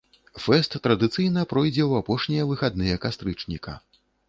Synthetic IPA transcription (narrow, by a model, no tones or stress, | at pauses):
fɛst̪ːɾɐd̪ɨt̪sɨjnɐpɾɔjd͡zʲɛwapɔʂnʲijɐvɨxad̪nɨjɐkast̪ɾɨt͡ʂnʲikɐ̰